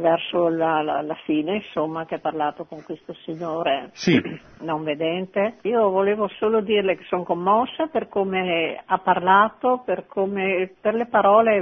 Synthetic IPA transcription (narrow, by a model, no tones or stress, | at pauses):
vɛrsolaa̰lafiːneinsomːakeapːarlaːt̪okoŋkwest̪osiɲːoːɾesi | noɱved̪ɛnt̪eiːovoleːvosoːlod̪iːrleke̥soŋkomːɔsːaperkoːmeapːarlaːt̪operkʰoːmeperlepaɾɔːle